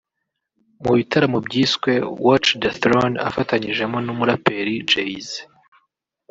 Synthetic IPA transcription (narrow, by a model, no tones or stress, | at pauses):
muβitaɾamobɟiːskwe̞wot͡ʃdeθɾona̰fataɲiʒe̞monumuɾape̞ɾid͡ʒeiz